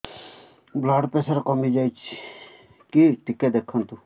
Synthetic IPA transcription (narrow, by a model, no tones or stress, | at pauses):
blaːɖpeːsaɾkɔmiːd͡ʒaːit͡ʃʰi | kiːʈiked̪eːkʰːənt̪u